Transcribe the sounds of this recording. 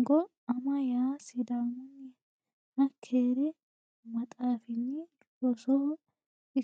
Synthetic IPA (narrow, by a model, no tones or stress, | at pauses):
ɡɔ | ɐmɐjaːsɪd̪amʊnːɪ | hɐkʰeːɾɛ | mɐt̪ʼaːfɪnːɪ | ɔsɔhɔ | ɪ